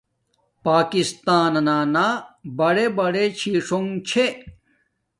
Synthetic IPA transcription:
paːkist̪aːnɐnaːnaːbɐɽebɐɽet͡ɕʰiːʂoŋt͡ɕʰe

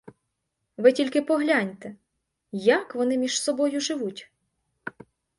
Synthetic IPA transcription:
ʋɪtʲilʲkɪpɔɦlʲanʲt̪ɛ | jɐkʋɔnɪmʲiʒsɔbɔjʊʒɪʋutʲ

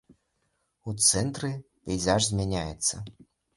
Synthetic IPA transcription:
ut̪sɛnt̪ɾɨ | pʲɛjzaʐzʲmʲɛnʲajɪt̪sə

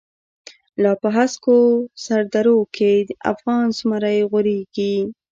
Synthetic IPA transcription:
lɑpəɦaskosaɾd̪aɾokʰed̪a̰fɣɑnsmaɾajɣʊɾeɡi

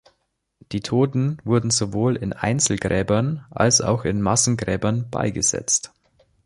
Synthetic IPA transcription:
d̥iːtʰoːtn̩vʊɐdn̩zovoːlɪnʔa̰ɪnt͡sl̩ɡʁɛːbɐnʔa̰lsa̰ʊxɪnmasn̩ɡʁɛːbɐnb̥a̰ɪɡəz̥ɛ̰t͡st

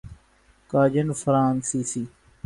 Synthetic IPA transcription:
kaːd͡ʒənfɾaːnsiːsiː

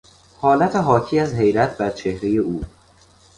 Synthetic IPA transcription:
hɒːlæt̪ʰeɦɒːcʰiːæzɦe̞jɾæt̪̚ʰbæɾt͡ʃʰe̞hɾe̞je̞uː

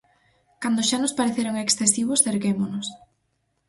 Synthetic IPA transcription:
kand̪ʊʃanospaɾeθeɾoŋeksθesiβʊsθeɾkemonʊs

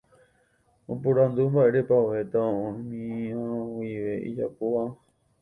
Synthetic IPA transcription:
opuɾãnd̪umbaʔe̞ɾepaet̪aõʔõmĩãoiʋe̞ʔḭd͡ʒa̰poʋa

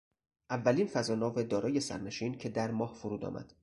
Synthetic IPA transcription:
ʔævːæliːnfæzɒːnɒːved̪ɒːɾɒːjesæ̰ɾne̞ʃiːncʰe̞d̪æɾmɒːhfuɾuːd̪ɒ̰ːmʔæ̰d̪̥

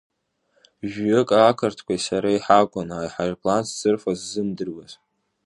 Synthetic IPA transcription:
ʒᶣʏkʼakʰɨrtʰkʷʰaisaɾaiħaɡʷanajħarpʼʰlant͡sʰt͡sɨrfazːɨmdɨrwaz

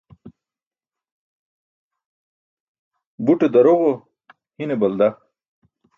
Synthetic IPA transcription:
buʈed̪ɐɾoʁo | hinebɐld̪a

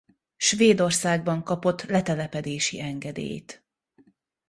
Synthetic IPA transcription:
ʃveːd̪o̞rsaːɡbɒŋkɒpo̞t̪ːlɛt̪ɛlɛpɛd̪eːʃḭɛŋɡɛd̪ḛːjt̪

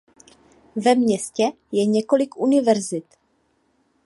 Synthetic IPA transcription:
vɛmɲɛscɛ | jɛɲɛko̞lɪkʔunɪvɛɾzɪt̪

